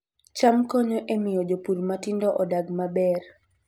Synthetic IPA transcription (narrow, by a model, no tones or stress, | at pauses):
t͡ʃamkɔɲɔʔemɪjɔd͡ʒopuɾmatindɔʔɔdaɡmabɛr